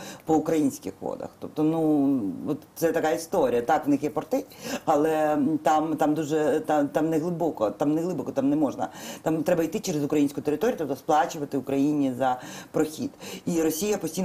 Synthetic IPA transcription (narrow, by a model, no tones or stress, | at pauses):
pɔʊkɾɐjinʲsʲkɪ̰xʋɔ̰d̪ɐ̰xt̪ɔp̚t̪ɔnuɔt̪sɛt̪ɐkaist̪oɾʲijɐt̪ɑkʋnɪxjɛpɔrt̪ɪɐlˠɛt̪amt̪amd̪uʒɛt̪at̪amnɛɦlˠɪbɔkɔt̪amnɛɦlˠɪbɔkɔt̪amnɛmɔʒnɐ̰t̪amt̪ɾɛbɐijt̪ɪt͡ʃɛɾezʊkɾɐjinsʲkʊjʊt̪eɾɪt̪oɾʲjt̪ɔp̚t̪ɔsplˠɑt͡ʃʊʋɐt̪ɪʊkɾɐjinʲizɐpɾɔxʲḭd̪̥iɾɔsʲijɐpɔsʲtʲijn